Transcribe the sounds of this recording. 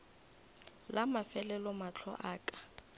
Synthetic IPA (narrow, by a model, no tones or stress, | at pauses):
lamafɛlɛlɔmat͡ɬʰɔ̰ʔaːkʼḁ